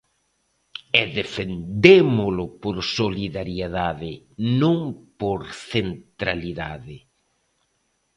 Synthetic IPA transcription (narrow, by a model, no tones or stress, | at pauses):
ɛðefend̪emʊlʊpoɾsoliðaɾjeðaðɪ | nõŋpoɾθent̪ɾaliðaðɪ